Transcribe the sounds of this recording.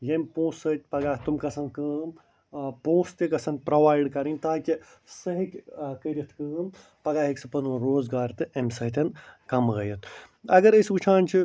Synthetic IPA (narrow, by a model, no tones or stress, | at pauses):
jempõːsɐt̪̚ʲpɐɡaːt̪umkɐsɐnkəːm | põːst̪ikɐsɐnpɾɐʋaːjɖkɐɾinʲt̪aːkʲi | sɐɦikʲkəɾʲɐt̪ʰkɨːm | pɐɡaːɦiksɨpɐnuɾoːzɡaːɾt̪ɨemsɐɦt̪ʲʰɐnkɐmɣɐjɐt̪ʰ | ɐɡɐɾɐsut͡ʃʰaːnt͡ʃʰi